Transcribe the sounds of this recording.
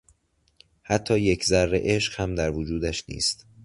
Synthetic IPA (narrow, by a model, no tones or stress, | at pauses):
hæt̪ʰːɒːje̞cʰzæɾːḛʔeʃɢ̥hæmd̪æɾvod͡ʒuːd̪æʃnḭːst̪